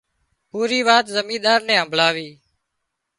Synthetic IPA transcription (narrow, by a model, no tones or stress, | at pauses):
puːɾiːʋaːt̪zəmĩːɗ̪aːɾnɛ̃ːɦəmbʱlaːʋiː